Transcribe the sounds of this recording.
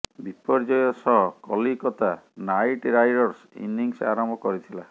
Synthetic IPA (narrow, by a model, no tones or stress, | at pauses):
bipɔɾd͡ʒɔjɔsɔɦɔkɔlikɔt̪anajʈɾajɖɔɾsḭniŋsa̰ɾɔmbʱɔkɔɾit̪ʰila